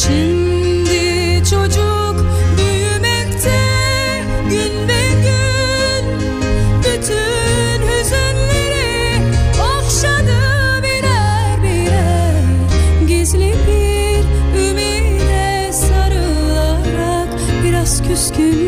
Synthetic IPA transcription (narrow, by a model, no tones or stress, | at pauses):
ʃim | d̪ɪ | t͡ʃʰod͡ʒu | kbyj | mɛkʲt̪ʰɛ | ɡynbɛɡʲy | n | byt̪ʰy | nhøzenleɾi | aχʃɑd̪ɯ | biɾæ | ɾbiɾæ | ɟezlibi | ɾymiɾd̪ɛ | sɑɾɯlˠɑɾɑk | biɾɑz̥kʲʰyskʲy